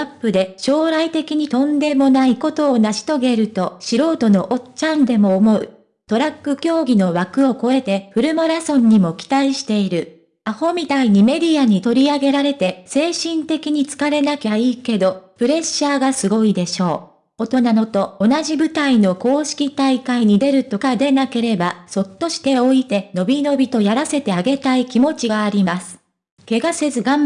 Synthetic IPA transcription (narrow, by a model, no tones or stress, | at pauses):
apːɯ̟d̪e̞ɕo̞ːɾait̪e̞kʲiɲ̟it̪õ̞nd̪e̞mo̞naiko̞t̪o̞ːnaɕi̥t̪o̞ɡe̞ɾɯ̟t̪o̞ɕiɾo̞ːt̪o̞no̞ʔot͡ɕãnd̪e̞mo̞ːmo̞ɯ̟̰ | t̪o̞ɾakːɯ̟kʲo̞ːɡʲino̞βakɯ̟o̞ko̞e̞t̪e̞ɸɯ̟ɾɯ̟moɾasõ̞ɲ̟ːimo̞kʲi̥t̪aiɕi̥t̪e̞iɾɯ̟ | aho̞mʲit̪aiɲ̟ime̞ɾʲiaɲ̟it̪o̞ɾʲiaɡe̞ɾaɾe̞t̪e̞se̞ːɕĩnt̪e̞kʲiɲ̟it͡sɨ̥kaɾe̞nakʲaiːke̞d̪o̞pɯ̟ɾe̞ɕːaːɡasɨɡo̞id̪e̞ɕo̞ː | ot̪o̞nano̞t̪o̞ːnaʑibɯ̟t̪aino̞ko̞ːɕi̥kʲit̪aikaiɲ̟id̪e̞ɾɯ̟t̪o̞kad̪e̞nake̞ɾe̞baso̞t̪ːo̞ɕi̥t̪e̞o̞it̪e̞no̞bʲino̞bʲit̪o̞jaɾase̞t̪e̞aɡe̞t̪aikʲimo̞t͡ɕiɡaːɾʲimasɨ̥ | ke̞ɡase̞zɨɡãm